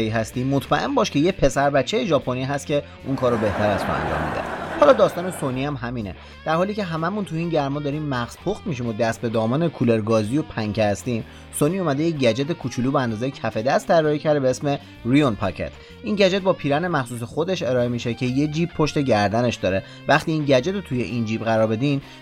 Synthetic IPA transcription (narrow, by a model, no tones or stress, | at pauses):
iɦæst̪iːmːot̪ʰmæʔe̞nbɒːʃkcʰejepʰe̞sæɾbæt͡ʃʰːejeʒɒːpʰo̞niɦæst̪kcʰe̞ | unkʰɒːɾobe̞ht̪ʰæɾæz̥t̪o̰æ̰nd͡ʒɒ̰ːmːḭd̪ḛhɒːlɒːd̪ɒːst̪ɒːnesoniæmɦæmiːnḛ | d̪̥æɾhɒːliːce̞ɦæmæmunt̪ʰuiːnɟæɾmɒːd̪ɒːɾiːmːæɣz̥pʰoxt̪miʃ̬imod̪æst̪̚be̞d̪ɒːmɒːnekʰuleɾɡɒːzijopʰæŋcʰehæst̪iːm | soniomæd̪ejeɟæd͡ʒet̪ʰekʰut͡ʃʰuluːbeænd̪ɒːzejecʰæfe̞d̪æst̪ʰːæɾːɒhicʰæɾd̪ebeesme̞ | ɾijonpʰɒ̰cʰḛt̪ʰ | ʔinɟæd͡ʒet̪̚bɒːpʰiːɾæne̞mæxsuːs̬exo̞d̪e̞ʃe̞ɾɒːemiːʃe̞cʰe̞jed͡ʒiːb̥pʰːo̞ʃt̪e̞ɟæɾd̪æne̞ʃd̪ɒːɾe̞ | væχt̪iːiːnɟæd͡ʒe̞t̪ʰot̪ʰujḛʔind͡ʒiːbɣæɾɒːɾbe̞d̪im